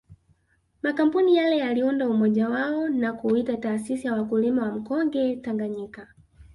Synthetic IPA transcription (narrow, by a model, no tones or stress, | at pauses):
makam̩punijalɛjaliundaumɔʄawaɔnakuitataːsisijawakulimawam̩kɔŋɡɛtaŋɡaɲika